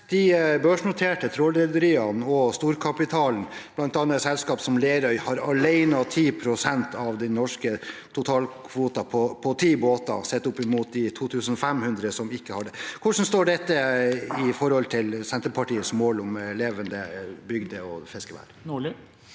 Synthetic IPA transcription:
d̪̥ɪbøːʂnʊt̪ʰeːʈət̪ʰɾoːlɛld̪əɾiːɑnɔst̪uːɾkʰɑpɪt̪ʰɑːln̩b̥lɑnt̪ɑnːɑsɛlskɑːpsɔmleːɾœʏhɑɾɑɭæɪnɑt̪ʰiːpʰɾʊsɛnt̪ʰɑʋd̪ɛnɔʂkət̪ʰʊt̪ʰɑːlkʰʋuːt̪ɑpʰɔpʰɔt̪ʰiːboːt̪ɑ̰sɛt̪ːʊpːɪmuːt̪̚d̪ɪt̪ʰuːt̪ʰʉːsən̩ɔfɛmhʉnd̪ɾəsɔmɪkːəhɑd̪əkʰʊʂn̩st̪oːɖɛt̪ːəɪfɔɾhɔlt̪ʰɪlsɛnt̪əɾpʰɑʈiːəsmoːlʊmleːʋənd̪əbʏɡd̪əɔ̰fɛskəʋæ̰ːɾnɭ

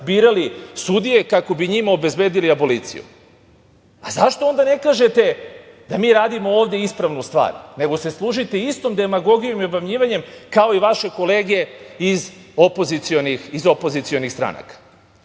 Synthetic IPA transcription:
biːɾalisud̪ije̞kako̞biɲimao̞be̞zbe̞ːd̪iliabo̞liːt̪sḭjṵ | azaʃt̪oo̞nd̪ane̞kaːʒe̞t̪e̞d̪amiːɾaːd̪imo̞oːʋd̪jeispɾaʋnust̪ʋa̰ːɾne̞ɡo̞se̞slˠuʒit̪e̞ist̪o̞md̪e̞maɡo̞ɡijo̞miobamɲiːʋaɲe̞mkao̞iʋaʃe̞ko̞le̞ːɡe̞izo̞po̞zit̪sio̞nixizo̞po̞zit̪sio̞nixst̪ɾa̰na̰kḁ

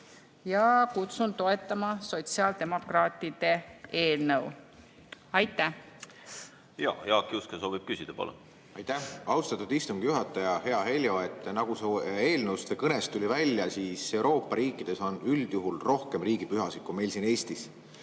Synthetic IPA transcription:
jɑkut̪sunt̪o̞e̞t̪ːˑɑmɑso̞t̪siɑːld̪̥e̞mo̞krɑːt̪ːˑid̪̥e̞e̞ːlnəw | ɑjt̪ːˑæh | jɑ̰ːjɑkːiuskesoːbib̥̚kysʲid̪̥ɑpo̰lo̰ | ɑjt̪æhɑwst̪ɑt̪ːˑud̪ist̪umɡ̥ijuɦɑt̪ːˑɑjɑhe̞ɑɦe̞lʲjo̞e̞t̪ːˑnɑɡ̥usue̞ːlnəwst̪vekɤne̞st̪ːulʲivælʲːjɑsiːse̞uɾo̞ːpːˑɑɾiːkːˑid̪̥e̞so̞nyld̪̥juɦulro̞hke̞mriːɡ̥ipyɦɑsid̪̥kume̞jlsine̞ːst̪is

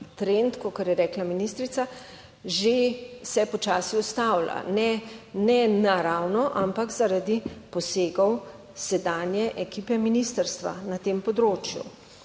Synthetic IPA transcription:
t̪ɾent̪kokaɾjɛɾɛːklaminist̪ɾit̪sa | ʒesɛpɔt͡ʃaːsiɔst̪awla̰nɛnɛnaɾaːwnɔʔampakzaɾad̪ipɔseːɡɔw | sɛd̪aːnjɛʔɛkipɛminist̪əɾst̪ʋa̰nat̪eːmpɔd̪ɾoːt͡ʃjṵ

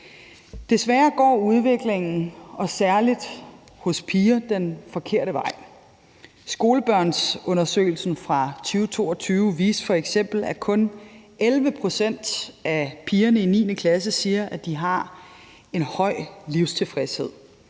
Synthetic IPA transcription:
d̥e̝sʋæːɐɡ̥ɒ̰ːuð̞ˠʋe̝ɡ̥le̝ŋn̩ɒ̽sæɐlid̥ | hɔ̽spʰiːɐd̥enfɒ̽kʰe̝ɐ̰ɾəʋɑ̈ɪ̰ | sɡ̥o̝ːləb̥ɶɐ̰nsɔ̽nɐsø̰ːɪl̩sn̩fʁɑ̈t͡sʰyːʊt͡sʰo̝̰ːɒ̽t͡sʰyːʊʋḭːsfɒ̽eɡ̥sem̰b̥l̩ækʰɔ̽nʔelʋəpʰʁo̝sen̰d̥ʔæpʰiːɐnəinḭːnəkʰlæs̬əsiːɐʔæd̥iɦɑ̈ | e̝nhɒ̽ɪ̰liʊ̰st͡sʰe̝fʁɛshe̝ð̰ˠ

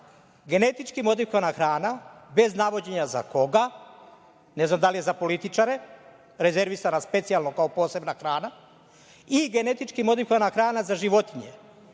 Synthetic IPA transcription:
ɡe̞ne̞t̪it͡ʃkimo̞d̪ikoanaxɾaːnabe̞znaʋo̞d͡ʑe̞ɲaza̰ko̞ɡa | ne̞znamd̪alijezapo̞lit̪it͡ʃaɾe̞ | ɾe̞ze̞ɾʋisanaspe̞t̪sijalno̞kaopo̞ːse̞bnaxɾaːna | iɡe̞ne̞t̪it͡ʃkimo̞d̪ikoanaxɾaːnazaʒiʋo̞t̪iɲe̞

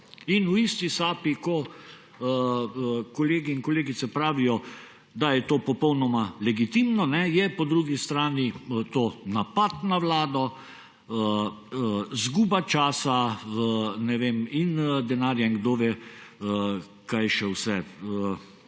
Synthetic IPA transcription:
inuist̪isaːpikɔ | kɔleːɡiiŋkɔleːɡit̪sɛpɾaːʋijɔ | d̪ajɛt̪oːpɔpɔwnɔmalɛɡit̪imnɔnɛjɛpɔd̪ɾuɡist̪ɾaːnit̪oːnapat̪naʋlaːd̪ɔ | ə | zɡuːbat͡ʃaːsa | nɛʋeːmind̪ɛnaːɾjaiŋɡd̪oːʋeə | kajʃɛwsɛə

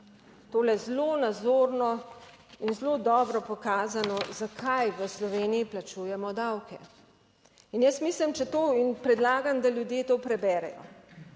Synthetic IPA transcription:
t̪oːlɛzlonazoːɾnɔ | inzlod̪ɔːbɾɔpɔkaːzanɔzakʰajʋəslɔʋeːniiplat͡ʃuːjɛmɔd̪awkɛ̰ | injəst̪miːslimt͡ʃɛt̪oːinpɾɛd̪laːɡamd̪aljud̪jeːt̪oːpɾɛbɛːɾɛ̰jɔ̰

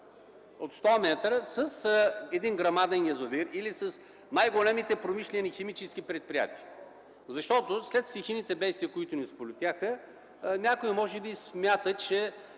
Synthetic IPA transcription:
ot̪st̪ɔmɛt̪ɾəsəsɛd̪inɡɾɐmad̪ɛnjɐzoviɾilisəs | najɡolɛmit̪ɛpɾomiʃlʲɛnʲixɛmit͡ʃɛskʲipɾɛt̪̚pɾija̰t̪iə | zɐʃt̪ɔt̪ʊslɛt̪ft̪ixinit̪ɛbɛjst̪viəkʊit̪ʊnispolʲʊt̪ʲjaxə | nʲakʊimɔʒɛbismʲat̪ət͡ʃɛ

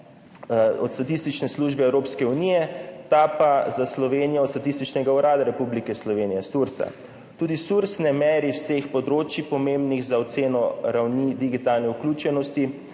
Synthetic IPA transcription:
ɔt̪st̪at̪ist̪it͡ʃnɛsluːʒbɛɛwɾoːpskɛunijɛt̪apazaslɔʋeːnijɔːt̪st̪at̪ist̪it͡ʃnɛɡauɾaːd̪aɾɛpublikɛslɔʋeːnijɛsuɾsa̰ | t̪uːd̪isuɾsnɛmɛːɾiwsexpɔd̪ɾoːt͡ʃjipɔmembniɣzaɔt̪seːnɔɾawnid̪iɡit̪alnɛuklʲuːt͡ʃɛnɔst̪i

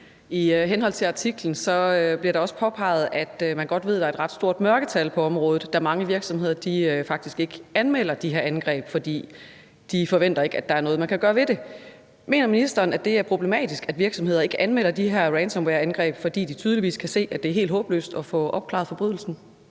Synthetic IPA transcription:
iɦenɦɒ̽l̰t͡sʰe̝lɑ̈t͡sʰiɡ̥ln̩sɒ̽øb̥liɐɾ̥ɑ̈ɒ̽sə̥pʰɒ̽pʰɑ̈ɪð̞̩ˠæd̥mænɡ̥ɒ̽d̥ʋe̝ð̞̰ˠd̥ɑ̈e̝d̥ʁɑ̈d̥sd̥o̝ɐ̰d̥mɶɐɡ̥ət͡sʰælpʰɒ̽ɒ̽mʁɔ̽ːð̩ˠd̥ɑmɑ̈ŋəʋiɐɡ̥sɒ̽mhe̝ð̰ˠɐd̥iøfɑ̈ɡ̥̚d̥isɡ̥e̝ɡ̥əænmel̰ɐd̥iɦe̝ɐænɡ̥ʁɛ̰ːb̥fɒ̽d̥ḭː | d̥ifɒ̽ʋen̰d̥ɐe̝ɡ̥æd̥ɑ̈æɐnɔð̩ˠmænkʰæɡ̥ɶːɐʋe̝de̝ | me̝̰ːnɐminisd̥ɐːnæd̥e̝æɐpʰʁo̝b̥le̝mɛ̰ːd̥isɡ̥æd̥ʋiɐɡ̥sɒ̽me̝ð̞̰ɐe̝ɡ̥əʔænmel̰ɐd̥iɦeɐ̰ʁɛnsɒ̽mweɐænɡ̥ʁɛ̰ːb̥fɒ̽d̥ḭːd̥it͡sʰyːðˠliʋḭːskʰæse̝̰ːæd̥e̝æɐɦe̝̰ːld̥ɦɔ̽ːb̥lø̰ːsd̥ɒ̽fɔ̽ʔɒ̽b̥̚kʰlɑ̈ðˠfɒ̽b̥ʁyð̞̰ˠl̩sn̩

